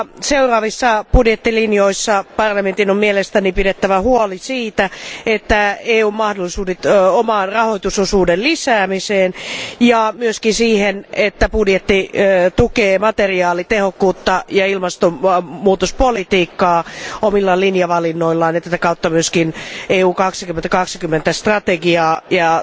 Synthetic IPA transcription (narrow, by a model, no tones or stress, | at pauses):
seurɑːʋisːɑpudjet̪ːilinjoisːɑpɑrlɑment̪inommielest̪ænipidet̪ːæʋæhuolisiːt̪æet̪ːæeːuːmmɑhdolːˑisuːdet̪omɑːnrɑhoit̪usosuːdellisæːmiseːnjɑmyøskinsiːhenet̪ːæpudjet̪ːit̪ukeːmɑt̪eriɑːlit̪ehokːuːt̪ːɑjɑilmɑst̪omuːt̪ospolit̪iːkːɑːomilːɑlinjɑʋɑlinːoilːɑniet̪æt̪ækɑut̪ːɑmyøskineːuːkɑksikyment̪ækɑksi̥kymːent̪æst̪rɑt̪eɡiɑːjɑ